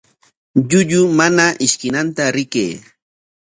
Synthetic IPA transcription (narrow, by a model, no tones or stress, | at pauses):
ʎʊʎʊmanaʔɪʃkɪnant̪aɾɪkḛː